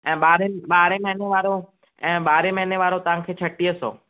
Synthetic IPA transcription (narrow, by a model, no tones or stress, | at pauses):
ɛ̃ːɓaːɾeɓaːɾeməɦɪneʋaːɾo | ɛ̃ːɓaːɾeməɦneʋaːɾot̪əʋãŋkʰeːt͡ʃʰəʈːiəso̰ː